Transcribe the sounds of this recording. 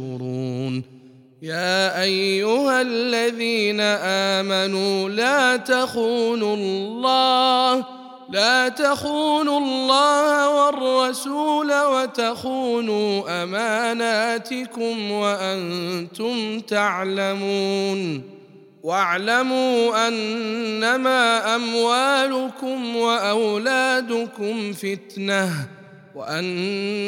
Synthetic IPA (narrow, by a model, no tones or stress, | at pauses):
ʊɾuːn | jaːʔajːʊhalːaðiːnaʔaːmanuːlaːt̪axuːnʊlːɑːh | laːt̪axuːnʊlːɑːhawɑrˤːɑsuːlawat̪axuːnuːʔamaːnaːt̪ɪkʊmwaʔant̪ʊmt̪aʕlamuːn | waʕlamuːʔanːamaːʔamwaːlʊkʊmwaʔawlaːd̪ʊkʊmfɪt̪nah | waʔan